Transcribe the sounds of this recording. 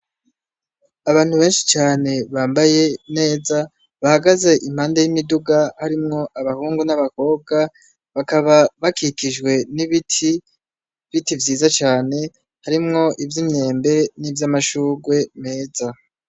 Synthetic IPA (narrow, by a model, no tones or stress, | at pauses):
aβaːn̥huβe̞ːnʃi̥t͡ʃaːne̞βaːmbaje̞ne̞ːza | βahaɡaze̞ʔim̥haːndejimiduɡahaɾimŋo̞ʔaβahuːŋɡunaβako̞ːb̚ɡa | βakaβaβakikiʒɡwe̞niβitʰi | βitivjiːzat͡ʃaːne̞ | haɾimŋo̞ʔivjimɲe̞ːmbe̞nivjamaʃuːɡwe̞me̞ːza